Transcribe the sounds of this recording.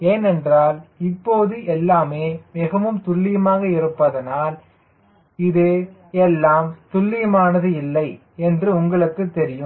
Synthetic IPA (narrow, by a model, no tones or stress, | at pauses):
eːnɛndraːlɪpːoːðɯʔɛlːaːmeːmɪɣɐʋɯmt̪ʊɭːɪjɐmaːɣɐɪɾɯpːɐðɐnaːl | ɪðɯɛlːaːmt̪ʊɭːɪjɐmaːnɐðɯɪlːɐɪ | ɛndrɯʊŋɡɐɭɯkːɯt̪ːɛɾɪjɯm